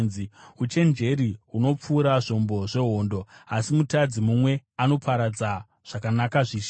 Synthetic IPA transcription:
nziut͡ʃe̞nd͡ʒe̞ɾiɦuno̞p͡fuːɾaʐo̞mbo̞ʐe̞ɦo̞ːndo̞asimutad͡zimumwe̞ano̞pʰaɾad͡za | ʐ̥akanakaʐiːʃ

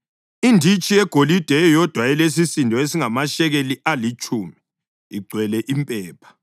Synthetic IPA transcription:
indʱit͡ʃʼijɛɡ̥ʱolid̥ʱɛjɔd̥ʱwaɛles̬isindʱɔesiŋamaʃɛɣeliʔalit͡ʃʼuːmi | iɡ͡ǀʱwɛlɛʔimpʼɛːpʰḁ

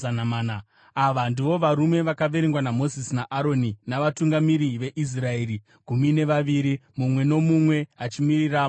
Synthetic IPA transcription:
anamaːna | aʋandiʋo̞ʋaɾume̞ʋakaʋe̞ɾeŋɡwanamo̞zisinaʔaɾo̞ninaʋatuŋɡamiɾiʋe̞ʔis̬rae̞ːɾi | ɡ̥ʱumine̞ʋaʋiɾimumwe̞no̞mumwe̞at͡ʃimiriraː

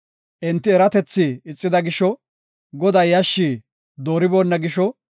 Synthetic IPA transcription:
ʔɛnt̪ːɪɛɾɐt̪ɛt͡sːiɪt͡sʼːɪd̪ɐɡɪʃɔ | ɡɔd̪ɐjjɐʃːiː | d̪oːɾɪboːnːɐɡɪʃɔ

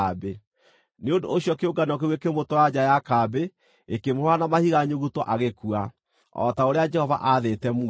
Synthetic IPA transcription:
be | neondooɕjɔkeoɡanɔkeuekemotɔad͡ʑajakabe | ekemoɾwanamahiɣaɲoɣutɔʔaɣekua | ɔ̰taoɾead͡ʒɛhɔva̰ʔaðetɛmu

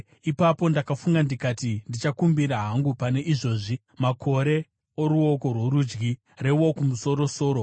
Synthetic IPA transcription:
ipapo̞ndakafuŋɡandikatindit͡ʃakumbiɾaɦaŋɡupane̞ʔiʐo̞ːʐi | makʰo̞ɾe̞ | oɾuo̞ko̞rwoɾud͡ʒɡi | re̞wokumuso̞ɾo̞so̞ːɾo

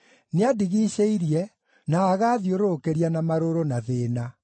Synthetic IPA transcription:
neadiɣiʃeiɾjɛ | naːɣaːðjoɾokeɾianamaɾoɾonaðeːna

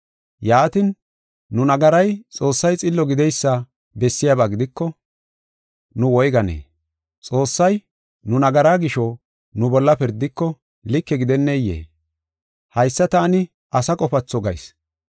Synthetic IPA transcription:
jaːt̪ɪnː | ʊnɐɡɐɾɐjt͡sʼo̞ːsːɐjt͡sʼɪlːɔɡɪd̪ɛjsːa | bɛsːɪjabaːɡɪd̪ɪkːɔ | nʊwɔjɡɐnḛː | t͡sʼo̞ːsːɐj | nʊnɐɡɐɾaːɡɪʃɔ | nʊbɔlːɐpɪɾd̪ːɪkːɔ | lɪkːɛɡɪd̪ɛnːejḛː | hɐjsːɐt̪aːnɪ | ʔɐsɐkʼɔfɐt͡sːɔɡɐ̰js

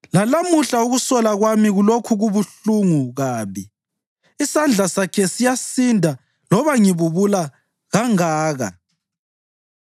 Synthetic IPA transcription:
lalamuɬauɣusɔlaɣwamiɣulokʰuɣuβuɬuŋuɣaːβi | isand͡ɮʱasakʰɛsijasindʱa | lɔβaŋiβuβula | ɣaŋaːɣa̰

